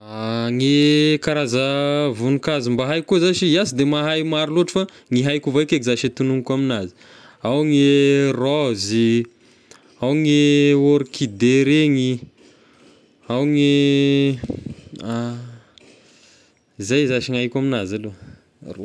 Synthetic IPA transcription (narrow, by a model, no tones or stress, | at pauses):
aŋekaɾazəvunukazimbaɦajkuzat͡ʃiiasid̪emaɦajmaɾiloʈ͡ʂə̥fa | ŋiɦajkuvajkekizaʃet̪unuŋikaminazi̥ | awŋerɔzi | awŋeoɾikid̪eɾeŋi | awŋe | a | zajzaʃiŋajkʲaminazalo | ru